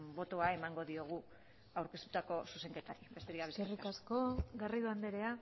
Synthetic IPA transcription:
bo̞t̪oae̞maŋɡo̞ðio̞ɣ̞u | awɾkest̪u̥t̪ako̞suse̞ŋke̞t̪aɾibe̞st̪eɾikaβeserikasko̞ɡariðuand̪eɾe̞a

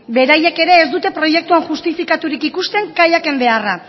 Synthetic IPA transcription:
be̞ɾaje̞ke̞ɾe̞ːzd̪ut̪e̞pɾo̞je̞k̚t̪uaŋʝust̪ifikat̪uɾikikust̪e̞ŋkajake̞mbe̞ara

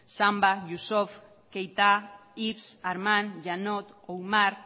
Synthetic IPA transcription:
sambajusof | kejt̪aipsaɾmãnʒanot̪owmaɾ

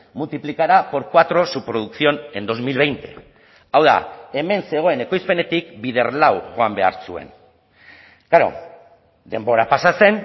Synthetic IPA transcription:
mult̪iplikaɾapo̞ɾkwat̪ɾo̞supɾo̞ð̞uksio̞ne̞nd̪o̞zmilβe̞jnt̪e̞ | awða̰e̞me̞nse̞ɣ̞o̞e̞ne̞ko̞jspe̞ne̞t̪ikbið̞e̞ɾlawɣo̞ambe̞a̰ɾsue̞̰n | kaɾo̞̰ | d̪e̞mbo̞ɾapasase̞n

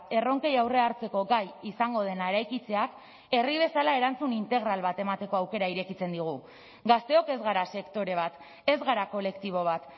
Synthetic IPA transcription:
e̞ro̞ŋke̞jawre̞aɾt͡se̞ko̞ɡajisaŋɡo̞ð̞e̞naeɾajkit͡se̞ak | e̞riβ̞e̞salae̞ɾant͡sunint̪e̞ɣɾalβat̪e̞mat̪e̞ko̞awke̞ɾaiɾe̞kit͡se̞nd̪iɣ̞u | ɡast̪e̞o̞ke̞zɣaɾase̞kt̪o̞ɾe̞β̞at̪ | e̞zɣaɾako̞le̞kt̪iβ̞o̞β̞at̪

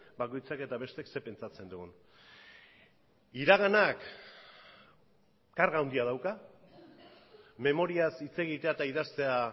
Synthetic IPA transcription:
bako̞jt͡sake̞t̪aβe̞st̪ekse̞pe̞nt͡sat͡se̞nd̪uɣun | iɾaɣanak | kaɾɣawnd̪iað̞awka | me̞mo̞ɾiasit͡se̞ɣ̞it̪e̞at̪aiðast̪e̞a

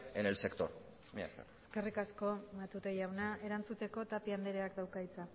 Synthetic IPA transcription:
enelse̞kt̪o̰ɾ | mia̰sḛeske̞rikasko̞mat̪ut̪ejawnae̞ɾant͡sut̪e̞ko̞t̪apiand̪eɾeakd̪awkajt͡sa

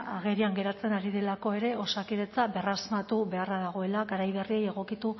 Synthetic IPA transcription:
aɣeɾiaŋɡe̞ɾat͡se̞naɾiðe̞lako̞e̞ɾe̞o̞sakiðe̞t͡saβe̞razmat̪uβe̞araðaɣ̞o̞e̞laɣaɾajβe̞rie̞je̞ɣ̞o̞kit̪u

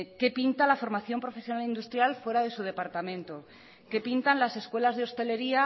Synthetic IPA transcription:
ke̞pint̪alafo̞ɾmaθjo̞mpɾo̞fe̞sjo̞nalind̪ust̪ɾjalfwe̞ɾaðe̞suð̞e̞paɾt̪amẽ̞nt̪o | ke̞pint̪anlase̞skwe̞lazðeo̞st̪e̞le̞ɾia

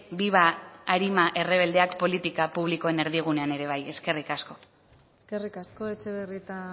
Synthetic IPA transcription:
biβaaɾimaʔe̞reβ̞e̞ld̪e̞akpo̞lit̪ikapuβliko̞e̞ne̞ɾðiɣ̞une̞ane̞ɾe̞β̞aje̞ske̞rikasko̞ | eske̞rikasko̞et͡ʃeβerit̪a

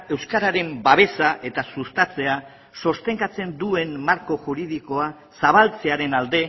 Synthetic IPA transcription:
e̞wskaɾaɾe̞mbaβe̞saʔe̞t̪asust̪at͡se̞a | so̞st̪e̞ŋkat͡se̞nd̪ue̞nːaɾko̞ʝuɾið̞iko̞a | saβ̞alt͡se̞aɾe̞nald̪e̞

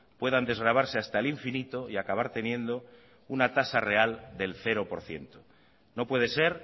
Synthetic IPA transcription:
pwe̞ðand̪e̞zɣɾaβ̞aɾseast̪aliɱfinit̪o̞iakaβ̞aɾt̪e̞njẽ̞nd̪o̞ | unat̪asare̞ald̪e̞lθe̞ɾo̞po̞ɾθje̞̰nt̪o | no̞pwe̞ð̞e̞se̞ɾ

